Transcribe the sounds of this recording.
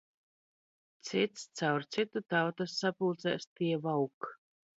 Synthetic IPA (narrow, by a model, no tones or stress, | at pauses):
t̪sit̪st̪sawɾt̪sit̪ut̪awt̪asːapuːt̪sɛ̰st̪iɛvawk